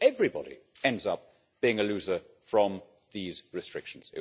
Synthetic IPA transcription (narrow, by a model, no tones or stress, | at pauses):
ɛvɹibɒ̰ɾḭɛ̃ndzʌp̚ | b̥iɪ̃ŋəlʉzə | fɹə̃m | ðiːzɹɨstɹ̥ɪkʃə̃n̩z̥ɪ